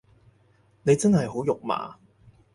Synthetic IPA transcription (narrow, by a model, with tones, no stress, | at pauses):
ne˨˧jt͡sɐ˥nhɐ˨˩jɦo˨˥wjʊ˨k̚ma̰ː˨˩